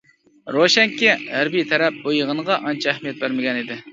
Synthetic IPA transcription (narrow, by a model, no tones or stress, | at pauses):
ɾoʃɛŋkʲiɦæɾbijt̪ʰɛɾɛp̚bojəʁənəʁɑʔɑnt͡ʃʰæhmijɛt̪̚bæɾmɪɡʲɛnid̪ɪ